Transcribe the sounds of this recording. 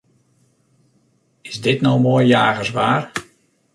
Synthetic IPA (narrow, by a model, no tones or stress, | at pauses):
ɪsdɪtnowmoːjjaːɣəsʋaːr